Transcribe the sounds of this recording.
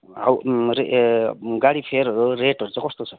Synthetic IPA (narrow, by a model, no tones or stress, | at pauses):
a̰wɾe | ɡaɽipʰeɾɦʌɾuɾeʈʌɾut͡sʌ̃kɔst̪ot͡sʰʌ